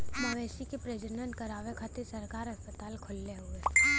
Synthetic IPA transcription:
mɐʋeːsikepɾed͡ʒənənkəɾaːʋekʰat̪isɐɾkaːɾɦɐspət̪aːlkʰʊlːeɦʊeː

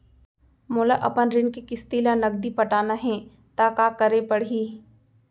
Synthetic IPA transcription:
mʊːlaʔɐpənɾɪnkikɪst̪iːlanɐɡd̪ipɐʈaːnaɦɛ̃ | t̪aːkaːkəɾepɐɽ̤ɦiː

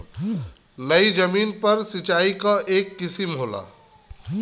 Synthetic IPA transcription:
nəid͡ʒəmiːnpəɾsit͡ʃaːikaʔeːkːɪsimɦola̰

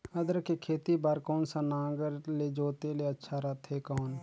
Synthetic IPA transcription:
əd̪əɾkekʰeːt̪ibaːɾkɔːnsanãːɡəɾled͡ʒoːt̪eleɐtːʃʰaɾat̪ʰekɔːn

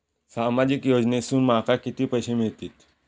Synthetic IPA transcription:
samad͡ʑikjod͡ʑnesuːnmakakit̪iːpəjɕemiɭt̪iːt̪

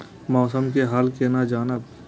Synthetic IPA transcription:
mɔːsəmkeɦaːlkenad͡ʒaːnəb

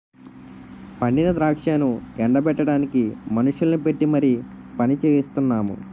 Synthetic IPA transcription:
pɐɳɖinɐd̪ɾaːkʂaːnukɛɳɖɐpɛʈːɐɽaːnikimɐnuʂjulɐnipe̞ʈːimɐɾi | pɐnit͡ʃeːjist̪unːaːmṵ

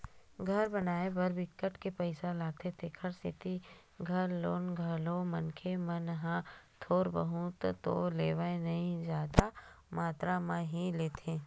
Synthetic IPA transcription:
ɡʱɐɾbɐnaːebɐɾbɪkːəʈkepəɪsalaːɡ̚t̪et̪ʰekʰəɾsɪt̪i | ɡʱɐɾloːnɡʱəlõmənkʰemɐnɦãt̪ʰoːɾbə̰ɦut̪t̪o̰leːʋəẽnɐɦĩzjaːd̪a | maːt̪ɾamãɦĩleːt̪ʰeː

